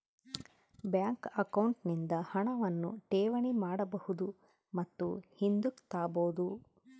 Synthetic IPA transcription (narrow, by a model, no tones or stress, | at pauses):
bjaːŋkɐkɐwɳʈnind̪ɐhɐɳɐʋɐnːṵʈeːʋɐɳimaːɽɐbɐhud̪u | mɐt̪ːṵhind̪ukt̪aːboːd̪u